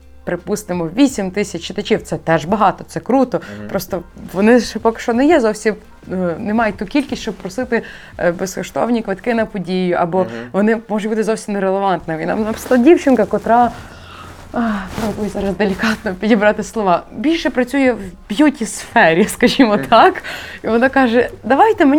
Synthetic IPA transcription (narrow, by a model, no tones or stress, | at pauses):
pɾɪpust̪ɪmɔʋʲisʲimt̪ɪsʲɐt͡ʃt͡ʃːɪt̪ɐt͡ʃʲiwt̪sɛt̪ɛʒbɐɦɑt̪ɔt̪sɛkɾut̪ɔpɾɔst̪ɔʋɔnɪʃpɔkɪ̥ʃt͡ʃɔnɛjɛzɔwsʲim | nemɑjʊt̚ʲt̪ukʲilʲkʲisʲtʲt͡ʃɔb̚pɾɔsɪt̪ɪ | beskɔʃt̪ɔ̰wnʲikʋɪt̪kɪnɐpɔdʲijʊʔɐbɔʋɔnɪmɔʒʊbut̪ɪzɔwsʲimneɾelˠeʋɑnt̪nɪminɑ̰mnɐpɪ̥slˠɐdʲiwt͡ʃɪnkɐkɔt̪ɾɑ | pɔbujɛzɑɾɐzd̪elʲikɑt̪̚nɔpʲidʲibɾɑt̪ɪslˠɔʋɑbʲilʲʃɛpɾɐt͡sʲujɛwbʲjutʲisfɛɾʲiskɐʒʲimɔt̪ʰɑkiʋɔnɑkɑʒɛd̪ɐʋɑjt̪ɛmenʲ